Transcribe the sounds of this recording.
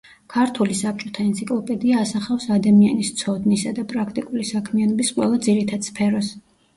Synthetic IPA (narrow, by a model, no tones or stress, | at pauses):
kʰaɾt̪ʰulisap̚t͡ʃʼɔt̪ʰaɛnt̪sʰikʼlˠɔpʼɛd̪iaːsaχafsad̪amianist̪sʰɔd̪nisad̪apʼɾakʰt̪ʼikʼulisakʰmianɔbisqʼwɛ̰lˠad̪ziɾit̪ʰad̪̥spʰɛɾɔs